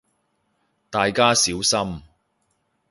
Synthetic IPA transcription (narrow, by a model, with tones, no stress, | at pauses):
t̪aː˨jkaː˥siː˨˥wsɐ˥m